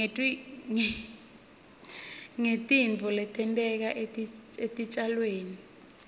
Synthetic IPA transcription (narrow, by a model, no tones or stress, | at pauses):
tʼiŋ | ŋetʼint͡fɔlɛtʰɛntʼɛk̬aʔetʼietʼit͡ʃʼalweːni